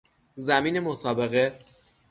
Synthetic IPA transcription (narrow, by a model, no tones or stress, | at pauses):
zæmiːne̞mosɒːbe̞ɣe̞